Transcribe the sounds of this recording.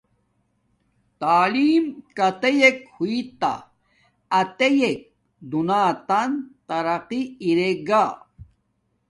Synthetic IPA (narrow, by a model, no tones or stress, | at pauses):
t̪aːliːmkɐt̪ejekhuit̪a̰ | ɐt̪ejek̚ | d̪unaːt̪ant̪ɐɾɐqiːɾeɡa